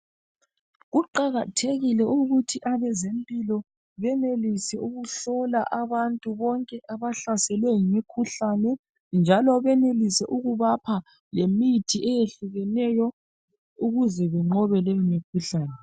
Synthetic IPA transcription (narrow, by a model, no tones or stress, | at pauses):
ɣuǃaɣatʰeɣilɛuɣutʰiʔaβɛzempʼilɔ | βɛnelisɛuɣuɬɔlaʔaβantʼuβɔŋkʼɛʔaβaɬasɛlwɛŋimikʰuɬanɛ | nd͡ʒʱalɔβɛnelisɛʔuɣuβapʰa | lemitʰiʔɛjeɬuɣɛnɛjɔ | uɣuzɛβɛŋ͡ǃɔβɛleimikʰuɬaːnɛ